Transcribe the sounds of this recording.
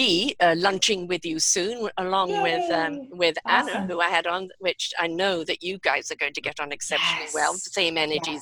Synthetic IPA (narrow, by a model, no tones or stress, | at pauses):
iʌlʌ̃nt͡ʃɪ̃ŋwɪðjɨsʉ̃nəlɔ̃ŋwɪð̥ʌwɪðænɨhuaɪɨɾn̩wɪt͡ʃa̰ɪnoʊðɨt͡ʃɨɡaɪz̥ə˞ɡoʊɪ̃ŋtʰɨɡɛɾn̩ɨksɛpʃɨ̃n̩l̩ˠiwɛlˠsẽɪ̃mɛnə˞d͡ʒiz